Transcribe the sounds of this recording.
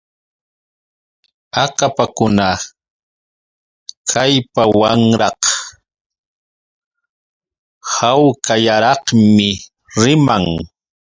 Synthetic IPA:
akapakʊna | kʰajpawaŋɾɑq | hawkajaɾɑqmɪ | ɾɪmaŋ

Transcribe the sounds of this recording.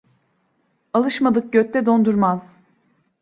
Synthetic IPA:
alˠɯʃmad̪ɯk̚ɟøt̪ʰːɛd̪o̞nd̪uɾmaz̥

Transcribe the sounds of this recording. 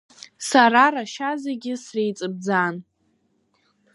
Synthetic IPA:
saɾaraʃazeɡʲɪsrejt͡sʼɨb̚d͡zan

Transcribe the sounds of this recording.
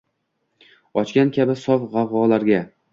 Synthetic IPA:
ɒt͡ʃkʲankʲʰabɪsɒfʁɑʁɒlaɾɡʲa

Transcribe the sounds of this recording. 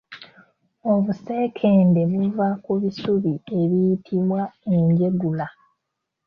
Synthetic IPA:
o̞βuse̞ːkʰe̞ːnde̞βuvakuβisuβie̞βijitʰiβwae̞ɲɟe̞ɡula

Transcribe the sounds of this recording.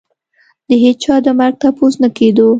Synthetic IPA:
d̪əɦed̪̚t͡ʃɑd̪əmaɾɡ̚t̪apoznaked̪o

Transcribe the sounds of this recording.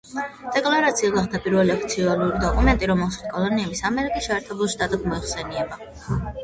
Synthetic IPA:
d̪̥ɛkʼlˠaɾat̪sʰiaɡaχt̪ʰapʼiɾvɛliakʰt̪sʰialˠuɾid̪ɔkʼumɛnt̪ʼiɾɔmɛlˠsakʼɔlˠɔniɛbisamɛɾikʼisʃɛːɾt̪ʰɛbulˠʃt̪ʼat̪ʼɛbmɔiχsɛniɛba

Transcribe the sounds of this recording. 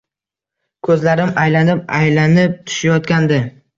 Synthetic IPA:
kʰɵzlaɾɪmajlanɪp̚a̰jlanɪp̚t̪ʰʊ̥ʃajɒt̪kʲand̪ɪ

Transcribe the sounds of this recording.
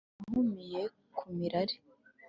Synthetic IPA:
ɦumije̞ | kʰumiɾaɾi̥

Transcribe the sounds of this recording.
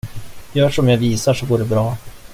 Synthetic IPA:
jœːʂɔmjaviːsaʂɔɡoːɖɛbɾɑː

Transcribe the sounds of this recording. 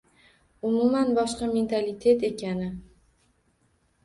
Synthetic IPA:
ʊmumanbɒʃqɑme̞nt̪ʰalit̪ʰe̞t̪e̞kʲʰanɪ

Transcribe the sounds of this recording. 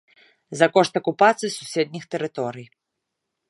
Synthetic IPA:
zɐkɔʂt̪ɐkupat̪sɨjsusʲɛd̪̚nʲixt̪ɛɾɨt̪ɔɾɨj

